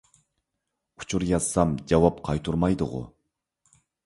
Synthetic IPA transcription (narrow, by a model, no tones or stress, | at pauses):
u̥t͡ʃʰuɾjɑz̥sɑmd͡ʒɑwɑp̚qʰɑjt̪ʰuɾmɑjd̪ʊ̰ʁʊ̰